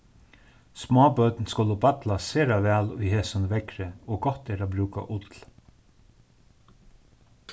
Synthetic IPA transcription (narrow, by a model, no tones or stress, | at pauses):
smɑːbœt̪nskʊlːəbɑt̪laseːɾaʋæːlʊjheːsanəʋɛkɾəoːɡɔt̪ɛːɾaːbɾʉːka̰ʔʊt̪l